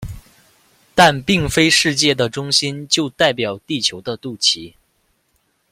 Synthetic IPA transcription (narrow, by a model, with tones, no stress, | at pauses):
t̪a˥˧npi˥˩ŋfe˥ɪʂɻ̩˥˧t͡ɕjɛ˥˩d̪ə˩ʈ͡ʂʊ˥ŋɕi˥nt͡ɕjo˥˧ʊt̪a˥˩ɪpjɑ˨˩ʊt̪i˥˩t͡ɕʰjo˧˥ʊd̪ə˧t̪u˥˩t͡ɕʰi˧˥